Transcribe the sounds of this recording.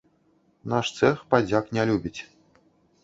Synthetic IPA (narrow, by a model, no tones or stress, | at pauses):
naʂt̪sɛxpad͡zʲaknʲalʲubʲit͡sʲ